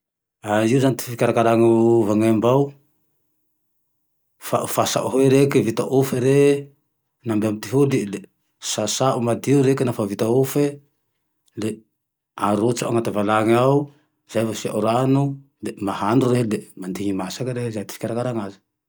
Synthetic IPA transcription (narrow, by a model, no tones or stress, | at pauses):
aiuzanit̪i̥ffikʲaɾakaɾaŋavaŋambaw | fa̰fasa̰ʔuɦeɾekivit̪aʔufeɾe | nambeamit̪iɦulile | sasaʔumad̪iuɾekinafavit̪aofe | le | aɾot͡ʃaaŋat̪avalaŋaw | z̥ajvasiaʔuɾanu | lemahanɖ͡ʐureɦlemand̪iŋimasakaɾezajt̪i̥fi̥kʲaɾakaɾaŋazi̥